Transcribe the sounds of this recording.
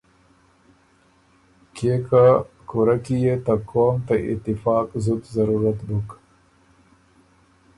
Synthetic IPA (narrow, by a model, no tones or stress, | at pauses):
keka | kuɾakijet̪akʰoːmt̪aʔɪ̰t̪ːɪfɑːkzut̪zɐɾuɾɐt̪buk